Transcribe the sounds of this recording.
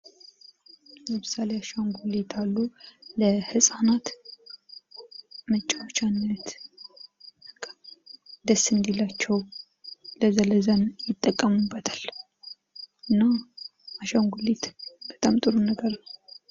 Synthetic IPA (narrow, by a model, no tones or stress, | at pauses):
jəmɨsaleaʃaŋɡulet̪ʰalːuləhɨsʼanat̪ | mət͡ʃʼawt͡ʃːanːət̪ | kʰː | d̪əsːɨnd̪elːat͡ʃːɛw | ləzələzənjɪt̪ʼːəkʼːəmubːət̪ʰal | ʔɨnːa | aʃaŋɡulet̪b̥ət̪ʼamt̪ʼɨɾunəɡəɾnəw